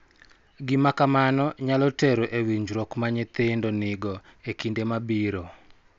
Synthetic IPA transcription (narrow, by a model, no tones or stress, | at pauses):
ɡɪmakamanɔɲalɔteɾoʔewiɲd͡ʒɾɔkmaɲet̪endonɪɡɔekindemabiɾo